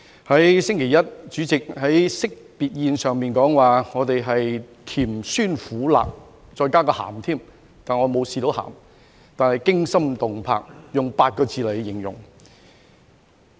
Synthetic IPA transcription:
hɐ˨˥jsɪ˥ŋkʰe˨˩jɐ˥t̚t͡ʃyː˨˥t͡sɪ˨k̚ɦɐ˨˥jsɪ˥k̚piː˨t̚jiː˧nsœː˨ŋmiː˨nkɔː˨˥ŋwaː˨ŋɔː˨˧t̪e˨jɦɐ˨j | t̪ʰiː˨˩msyː˥nfuː˨˥la̰ː˨p̚ | t͡sɔː˧jkaː˥kɔː˧ha̰ː˨˩mt̪ʰiː˥m | t̪aː˨˩nŋɔː˨˧mo˨˧wsiː˨˧t̪o˨˥wha̰ː˨˩m | t̪aː˨nhɐ˨jkɪ˥ŋsɐ˥mt̪ʊ˨ŋpʰa̰ː˧k̚jʊ˨ŋpaː˧t̚kɔː˧t͡siː˨˧lɐ˨˩˧jɪ˨˩ŋjʊ̰˨˩ŋ

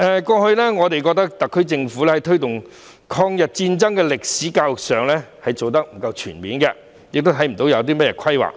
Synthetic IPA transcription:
ʔɛː˨kɔː˧hɵ˧ɥlɛː˥ŋɔː˨˧t̪e˨jkɔː˧k̚t̪ɐ˥k̚t̪ɐ˨kʰːɵ˥t͡sɪ˧ŋfuː˨˥lɛː˥hɐ˨jt̪ʰɵ˥ɥt̪ʊ˨˩ŋ | kʰɔː˧ŋjɐ˨t̚t͡siː˧nt͡sɐ˥ŋkɛː˧lɪ˨k̚siː˨˥kaː˧wjʊ˨˩k̚sœː˨˩ŋlɛː˥hɐ˨jt͡so˨wt̪ɐ˥k̚m̩˨˩kɐ˧wt͡ʃʰyː˨˩nmiː˨˥nkɛ˧ | jɪ˨k̚t̪o˥t̪ʰjm̩˨˩t̪o˨˥wjɐ˨˧wt̪iː˥mɛ˥jɛː˧˥kʰɐ˥jwa̰ː˨k̚

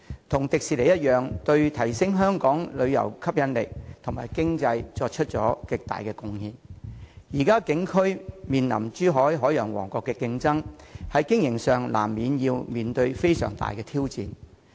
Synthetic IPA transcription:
t̪ʰʊ˨˩ŋt̪ɪ˨k̚siː˨le˨jɐ˥t̚jœː˨˩ŋt̪ɵ˧ɥt̪ʰɐ˨˩jsɪ˥ŋɦœː˥ŋkɔː˨˥ŋlɵ˨˧ɥjɐ̰˨˩wkʰɐ˥p̚jɐ˨˧nlɪ˨k̚t̪ʰʊ˨˩maː˨˩jkɪ˥ŋt͡sɐ˧jt͡sɔː˧k̚t͡ʃʰɵ˥t̚t͡sɔ̰ː˨˥kɪ˨k̚t̪a̰ː˨˩jkɛː˧kʊ˧ŋhiː˨˩njiː˨˩kaː˥kɪ˨˥ŋkʰɵ˥ɥmiː˨nlɐ̰˨˩mt͡ʃyː˥ɦɔː˨˥jɦɔː˨˥jœː˨˩ŋwɔ̰ː˨˩ŋkɔː˧kːɛː˧kɪ˧ŋt͡sɐ˥ŋhɐ˨jkɪ˥ŋjɪ˨˩ŋsœː˨ŋla̰ː˨˩mːiː˨˧njiː˧wmiː˨nt̪ɵ˧ɥfe˥jsœ̰ː˨˩ŋt̪a̰ː˨jkɛː˧t̪ʰiː˥wt͡siː˧n

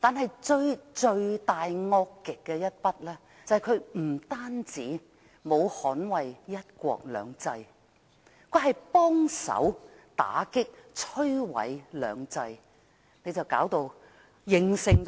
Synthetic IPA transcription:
t̪aː˨nɦɐ˨jt͡ʃɵ˧ɥt͡ʃɵ˧ɥt̪aː˨jŋɔː˧kːɪ˨kːɛː˧jɐ˥t̚pɐ˥t̚lɛː˥ | t͡sɐ˨hɐ˨jkʰɵ˨˧ɥm̩˨˩t̪aː˥nt͡siː˨˥ | mo˨˧whɔː˨˥nwɐ˨jjɐ˥t̚kʷɔ̰ː˧k̚lœ̰ː˨˧ŋt͡sɐ˧j | kʰɵ˨˧ɦɐ˨jpɔː˥ŋsɐ̰˨˥wt̪a̰ː˨˥kɪ˥k̚t͡ʃʰɵ˥ɥwɐ̰˨˥jlœ̰ː˨˧ŋt͡sɐ˧j | ne˨˧jt͡sɐ˨wkaː˨˥wt̪o˨˧w | jɪ˨ŋsɪ˨˩ŋ

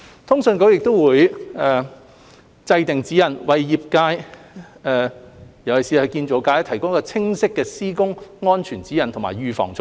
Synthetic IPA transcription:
t̪ʰʊ˥ŋsɵ˨˧nko˧˥wjɪ˨k̚t̪o˥wwuː˨˧˥jɛː˨˩ | t͡sɐ˧jt̪ɪ˨ŋt͡siː˨˥jɐ˨˩nwɐ˨jːiː˨p̚kaː˧j | ɛ˧jɐ˨˩wjɐ˨˩siː˨˩hɐ˨˩jkiː˧nt͡ʃo˨˧wkaː˧jɛ˥t̪ʰɐ˨˩jkʊ˥ŋ˥kɔː˧t͡sʰɪ˥ŋsɪ˥kːɛː˧siː˥kʊ˥ŋŋɔː˥nt͡ʃʰyː˨˩nt͡siː˨˥jɐ˨nt̪ʰʊ˨˩ma̰ː˨˩jɥyː˨˧fɔ̰ː˨˩ŋt͡ʃʰ

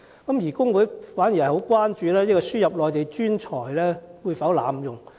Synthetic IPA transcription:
kɐ˨˦mjiː˨˩kʊ˥ŋwu˨˥jfaː˨˥nji˨˩hɐ˨jho˨˥wkwaː˥nt͡ʃyː˧lɛː˥jiː˥kɔː˧syː˥jɐ˨p̚lɔː˨jt̪e˨˧jt͡ʃyː˥nt͡ʃʰɔː˨˩jlɛː˥wuː˨˧jfɐ˨˥wla̰ː˨˥mjʊ˨ŋ

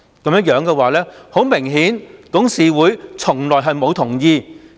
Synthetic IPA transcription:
kɐ˨˥mjɐ˥t̚jœː˨˥ŋkɛː˧waː˨˩lɛː˥ho˨˥wmɪ˨˩ŋɦiː˨˥nt̪ʊ˨˥ŋsiː˨wuː˨˥jt͡sʰʊ˨˩ŋlɔː˨jɦɐ˨jmo˨˧wt̪ʰʊ˨˩ŋjiː˧

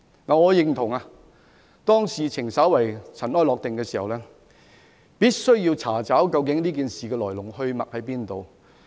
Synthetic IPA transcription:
naː˨˩ŋɔː˨˧jɪ˨˧ŋ̚m̩˨˩t̪ʰʊ˨˩ŋaː˧ | t̪ɔː˥ŋsiː˨t͡sʰɪ˨˩ŋsɐ˨˥wɐ˨˩jt͡sʰɐ˨˩nɔː˥jlɔː˨k̚t̪ɪ˨ŋkɛː˧siː˨˩hɐ̰˨wlɛː˥ | piː˥t̚sɵ˥ɥjiː˧wt͡sʰaː˨˩t͡saː˨˥wkɐ˧wkɪ˨˥ŋliː˥k̬iː˨nsiː˨kɛː˧lɔː˨˩jlʊ˨˩ŋhɵ˧ɥmɐ˨t̚hɐ˨˥jpiː˥n˨t̪o˨w

